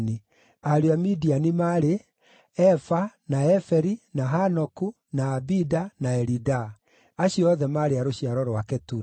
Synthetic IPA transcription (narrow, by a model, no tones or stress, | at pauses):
ni | aɾeamidianimaɾe | ɛfanaɛfɛɾinaɦanɔku | naːbidanaɛɾida | aɕiɔðɛmaɾeaɾoɕiaɾɔɾwakɛtuɾ